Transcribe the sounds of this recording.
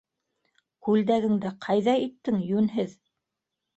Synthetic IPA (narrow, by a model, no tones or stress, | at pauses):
kʉld̪æɡɘ̆ŋd̪æqʰɑjðɑit̪ːɘŋjʉnɦɘð